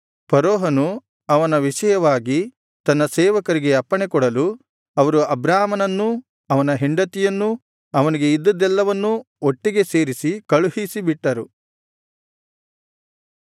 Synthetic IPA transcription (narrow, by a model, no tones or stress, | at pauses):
pɐɾɔːɦɐnu | ɐʋɐnɐʋiʂɐjɐʋaːɡi | t̪ɐnːɐsɛːʋɐkɐɾiɡe̞ɐpːɐɳɛkɔɽɐlu | ɐʋɐɾuɐbɾaːmɐnɐnːu | ɐʋɐnɐɦeɳɖɐt̪ijɐnːu | ɐʋɐniɡe̞id̪ːɐd̪ɛlːɐʋɐnːu | oʈːiɡe̞se̞ːɾisikɐɭuhisibiʈːɐɾu